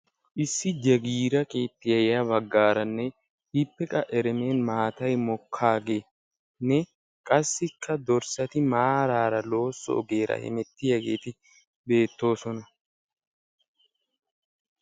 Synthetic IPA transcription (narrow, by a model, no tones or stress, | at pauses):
ʔɪsːɪd͡ʒɐɡiːɾɐkʼeːt̪ːɪjɐjjɐβɐɡːaːɾɐnːɛ | hɪpːɛkʼɐʔɛɾɛme̞ːnmaːt̪ɐjmɔkʰːaːɡe̞ː | nɛ | kʼɐsːɪkʰːɐd̪ɔɾsɐt̪ɪmaːɾaːɾɐlo̞ːsːɔ̰ʔɔɡe̞ːɾɐ̰hɛ̰mɛt̪ːɪjɐɡe̞̰ːt̪ɪ | be̞ːt̪ːo̞ːsɔnɐ